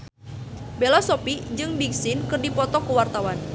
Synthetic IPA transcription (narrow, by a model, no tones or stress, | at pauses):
belasopid͡ʒɨŋbiksɪnkɨrdipɔt̪ɔkəwart̪awan